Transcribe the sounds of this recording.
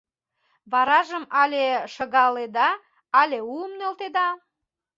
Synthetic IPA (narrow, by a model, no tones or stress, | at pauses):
βɑɾɑʒəmɑlʲeʃəɣɑled̪ɑ | ɑlʲeuəmnølt̪ed̪ɑ